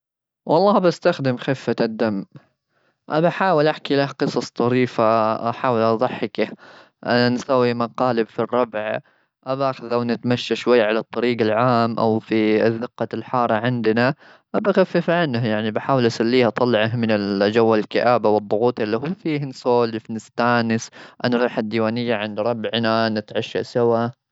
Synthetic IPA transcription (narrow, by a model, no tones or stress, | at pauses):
wʔɑlˤːɑːhbast̪axd̪ɪmxɪfːad̪ːamː | ʔabaħaːwɪlʔaħkilahqɨsˤɑsˤt̪ˤɑɾiːfaʔa̰ħaːwɪlʔɑðˤɑħːɪkah | ʔanansawːimaqɑːlɪbfirˤːɑbʕ | ʔabaːxɪðʔawnɪt̪maʃːaʃwajːʕalat̪ˤːɑɾiːɡalʕaːmʔa̰wfiðːɪqːalħɑːɾˤɑʕɪnd̪na | ʔabaxafːɪfʕanːhjaʕnibaħaːwɪlʔasalːiːhɑt̪ˤɑlːʕaɦmɪnɪld͡ʒawːalkɪʔaːbawɨðˤːʊɣuːt̪alːiɦuːfiːhnsoːlɪfnɪst̪aːnɪsʔanɾˤuːħad̪ːiwaːnɪjːaʕɪnd̪ɾˤɑbʕnanɪt̪ʕaʃːa̰sawa